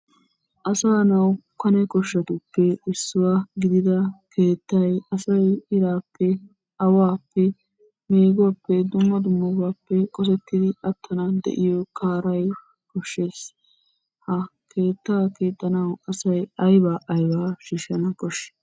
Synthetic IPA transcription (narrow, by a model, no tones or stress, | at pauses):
ʔɐsaːnɐwkɐnɛkɔʃːɐt̪ʊpːɛɪsːʊwaɡɪd̪ɪd̪ɐkʰe̞ːt̪ːɐjɐsɐjɪɾaːpʰːɛ | ɐwaːpːɛ | meːɡʊwɐpːɛd̪ʊmːɐd̪ʊmːɐbaːpːɛkʼɔsɛt̪ːɪd̪ɪʔɐt̪ʰːɐnɐd̪ɛ̰ʔɪjɔkʰaːɾɐj | kɔʃːe̞ːs | hɐkʰe̞ːt̪ːaːke̞ːt̪ːɐnɐwɐsɐjɐjbaːʔɐjbaːʃiːʃːɐnɐkʼɔʃːɛ̥